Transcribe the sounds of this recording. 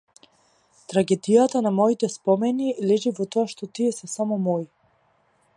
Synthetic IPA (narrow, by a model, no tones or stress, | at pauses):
t̪ɾaɡɛd̪ijat̪anamɔit̪ɛspɔmɛnilɛʒivɔt̪ɔaʃt̪ɔt̪iɛsɛsamɔmɔj